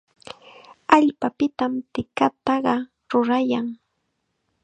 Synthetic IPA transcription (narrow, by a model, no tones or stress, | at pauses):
aʎpapɪt̪amt̪ɪkat̪ɑɢɑ | ɾʊɾajaŋ